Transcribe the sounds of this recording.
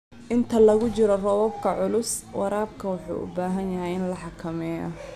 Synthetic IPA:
ʔɪnt̪ʰɐlɐɣʊt͡ʃɪɾɔrɔwɔbkʰɐʕʊlʊswɑɾaːb̚kʰɐwʊħṵːʔʊ̰baːɦɐnjɐɦɛjɪnlɐħɑkʰɐmɛːjɐ̰

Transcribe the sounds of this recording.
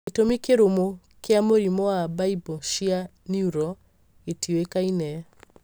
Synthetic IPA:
etomikeɾomo | keamoɾimɔabaibɔʃia | niuɾɔ | etiwekainɛ

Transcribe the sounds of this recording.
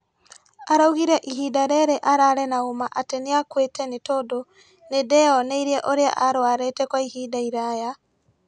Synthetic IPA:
aɾauɣiɾɛʔiɦidaɾɛɾeʔaɾaɾɛnaomaʔateneakwetɛnetodo | nedɛɔneiɾiɛʔoɾea̰ʔaɾwaɾetɛkwaihiːdaiɾaːja

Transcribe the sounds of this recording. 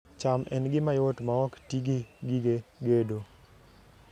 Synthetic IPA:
t͡ʃamʔɛ̰nɡɪmajotmaɔktiɡeɡiɡeɡedo

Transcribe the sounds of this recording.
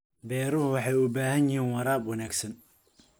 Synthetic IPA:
bɛːɾʊhʊwɑħɑjʊbaːɦɐnjɪɦiːnwɑɾaːbwɐnaːɡsɐn

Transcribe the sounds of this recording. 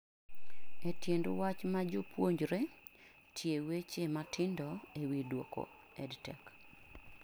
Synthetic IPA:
etjendwat͡ʃmad͡ʒʊpʰwoɲd͡ʒɾe | tʰjewet͡ʃematʰɪndɔewidwo̰ko̰ | ɛdtɛ̰k

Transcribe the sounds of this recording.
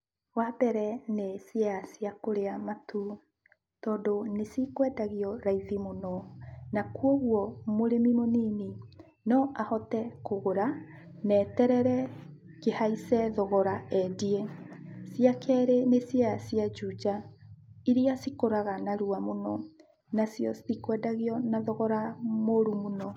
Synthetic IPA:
wabɛɾɛnesiasijakoɾeamatʰu | tɔːdonesikwɛdaɣiɔɾaiðimonɔnakwoɣwɔmoɾemimoniːne | nɔʔahɔtɛkoɣoɾa | nɛːtɛɾɛɾɛ | kehaisɛðɔɣɔɾaɛdiesjakɛɾenesjaasjad͡ʒud͡ʒa | iɾiasikoɾaɣanaɾuamonɔ | nasjɔsikwɛdaɣiɔnaðɔɣɔɾamoɾumonɔ

